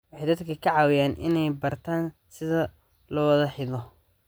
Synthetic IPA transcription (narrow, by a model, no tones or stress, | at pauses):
wɑħɑjd̪ɐd̪kʰɐkʰɐʕɑːwɪjaːnʔɪ̰nɛjbɐrt̪ʰaːnsɪðɐ | lɔːwɐðɐħɪðɔ